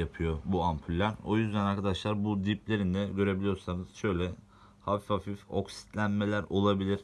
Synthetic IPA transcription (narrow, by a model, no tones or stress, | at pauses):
apʰɯjo̞buampʰylʲːæɾo̞jyzd̪ænaɾkʰad̪aʃlˠaɾbud̪iplʲe̞ɾind̪ɛɟø̞ɾe̞bilʲijo̞ɾsanɯz̥ʃø̞jlʲɛ | hafifafifo̞̰ksi̥t̪lʲænme̞lʲæɾo̞lˠabilʲiɾ̥